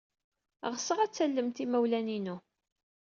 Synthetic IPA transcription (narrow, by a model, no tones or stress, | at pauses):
ʁəsəʁæt͡sːælːəmt̪imæwlæninu